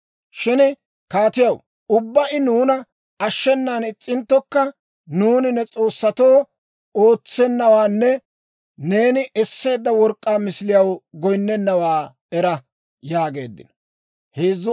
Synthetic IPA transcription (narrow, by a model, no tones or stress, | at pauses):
ʃɪnɪ | kaːt̪ɪjɐw | ʊbːɐʔɪnuːnɐ | ɐʃːɛnːaːnɪt͡sʼːɪnt̪ːɔkːɐ | nuːnɪnːɛt͡sʼo̞ːsːɐt̪o̞ː | o̞ːt͡sːɛnːɐwaːnːɛ | ne̞ːnɪʔɛsːe̞ːd̪ːɐwɔɾkʼːaːmɪslɪjɐwɡɔjnːɛnːɐwaː | ɛɾɐ | jaːɡe̞̰ːd̪ːɪ̰nɔ | heːzːʊ